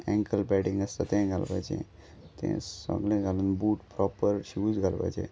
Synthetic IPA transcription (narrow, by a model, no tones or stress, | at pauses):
ɛ̃ŋkəlpɛɖĩŋɡəst̪at̪ɛ̃ɡʱalpa̰jd͡ʒḛ̃ | t̪ḛ̃ɔ̰ɡlẽɡalunbuːʈpɾɔpəɾɕuuːzɡʱalpa̰jd͡ʒḛ̃